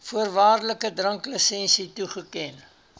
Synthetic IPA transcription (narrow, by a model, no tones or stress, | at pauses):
fuərvɑːrləkədrəŋkləsɛnsituχəkɛn